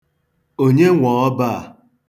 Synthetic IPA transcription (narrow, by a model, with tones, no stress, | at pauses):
o˦ɲe˦ŋʷɔ˨ɔ˦ba˦a˨